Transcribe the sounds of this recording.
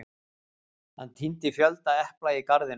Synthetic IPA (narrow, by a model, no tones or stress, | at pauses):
ha̰nt̪ʰint̪ɪfjœlt̪aɛhplaikaɾðɪn